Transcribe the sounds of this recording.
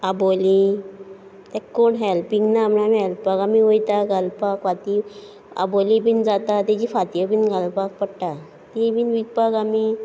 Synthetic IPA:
aboli | t̪ɛkːoɳɦɛlpiŋɡnaːmnaamiɦɛlpakamiʋojt̪aɡalpakʋat̪i | a̰bolibind͡zat̪at̪ɛd͡ʑifat̪jəpinɡalpak̚pəɽʈa | t̪ibiːnʋik̚paɡami

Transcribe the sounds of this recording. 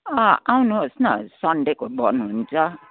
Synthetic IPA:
aawnosnasɔnɖekobɔnũnt͡sɔ

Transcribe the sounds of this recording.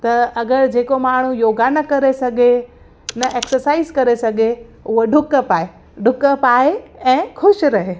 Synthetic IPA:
t̪ɐɐɡəɾd͡ʑeːkomaːɳ̤ujoːɡaːnɐkɐɾesɐɡʱe | nɐʔeːksəɾsaːizkɐɾesɐɡʱeʊɦoɖʱʊkəpaːɦe | ɖʱʊkəpaːɦeɛ̃ːxʊʃɾɐɦeː

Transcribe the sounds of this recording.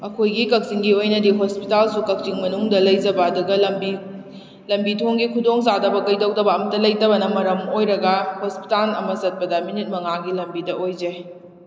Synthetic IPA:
ɐkʰojɡikɐk̚siŋɡiojnɐdiɦospitalsukɐk̚t͡ʃiŋmɐnuŋdɐlɐjd͡ʒɐbɐːduɡɐlɐmbi | lɐmbitʰoŋɡikʰudoŋzadɐbɐɡɐjdɐwdɐbɐːmɐtɐlɐjtɐbɐnɐmɐɾɐmojɾɐɡɐhospi̥talɐ̰mɐsɐt̚pɐdɐminit̚mɐŋaɡilɐmbidɐojd͡ʒe

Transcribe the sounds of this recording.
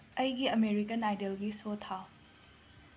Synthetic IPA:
ɐjɡiɐmeɾikɐnajdelɡisotʰa

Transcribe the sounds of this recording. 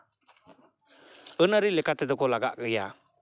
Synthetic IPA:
ənaɾilɛkat̪ɛd̪ɔkɔlaɡa̰ʔkəja

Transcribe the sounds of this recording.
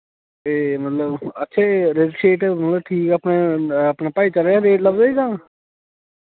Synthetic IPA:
eːmət̪ləbətːʃʰeːɾed͡ʒɪsʈɾeːʈːmət̪ləbʈʰiːkəpneəpnapaːit͡ʃəleaɾeːʈləbzaːiːzãː

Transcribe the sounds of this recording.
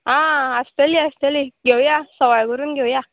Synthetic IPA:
ãast̪eliast̪eliɡewjasɔwajɡuɾunɡewja

